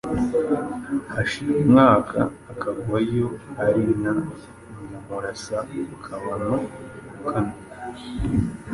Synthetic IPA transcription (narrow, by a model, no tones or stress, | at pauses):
aʃiɾemŋaːkʰa̰ːkaɡuajo̞aɾina | mamuɾasakʰaβanoukʰano